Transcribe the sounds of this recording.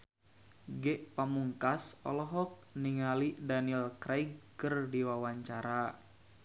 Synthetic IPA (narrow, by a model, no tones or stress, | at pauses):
ɡɛʔpamuŋkasɔ̰lɔɦɔk̚niŋalidanilkɾajɡ̚kərdiwawaɲt͡ʃaɾa